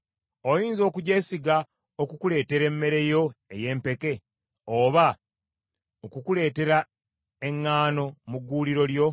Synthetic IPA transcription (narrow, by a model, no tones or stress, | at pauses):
ojiːnzo̞ːkuɟe̞ːsiɡa | okukule̞ːte̞ɾe̞mːe̞ɾe̞jo̞e̞je̞ːmpe̞ke̞ | oːβa | okukule̞ːte̞ɾa | e̞ŋːaːno̞muɡːuːliɾo̞ljo̞